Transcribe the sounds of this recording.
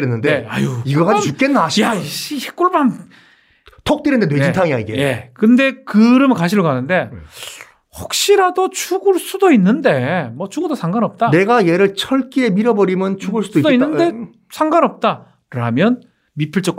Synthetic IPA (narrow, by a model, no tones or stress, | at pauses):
ɾenːɯndeajoiɡʌɡaik͈enːaɕʰaiɕihek͈uɭban | tʰok̚t͈eɾɯnd̪enwed͡ʑitʰaŋijaiɡejekɯnde̞kɯɾɯmkaɕʰiɾokanɯnde̞ | hok̚ɕ͈iɾadot͡ɕʰuɡuɭs͈udoinːɯnde̞mwʌt͡ɕʰuŋɡudosʰaŋɡanʌp̚t͈ane̞ɡaje̞ɾɯɭt͡ɕʰʌɭk͈ie̞miɾʌbʌɾimjʌnt͡ɕʰuɡuɭs͈ud̥oidoinːɯnde | sʰaŋɡanʌp̚t͈a | ɾamjʌn | mipʰɯɭt͡ɕ͈ʌk